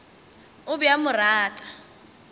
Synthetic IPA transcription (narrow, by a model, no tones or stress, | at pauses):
ʊbʊjamʊraːtʼa